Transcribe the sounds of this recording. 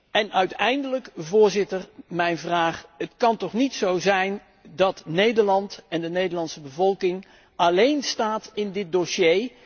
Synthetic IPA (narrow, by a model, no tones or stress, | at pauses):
ɛnœɥtɛjndələkvʊːɹzɪtərmɛjnvraːχətkɑntɔχnitsowzɛjn | dɑtnejdəɹlɑntɛndənejdəɹlɑntsəbəvɔlˠkɪŋ | ɑlejnstaːtɪndɪt̚doʃej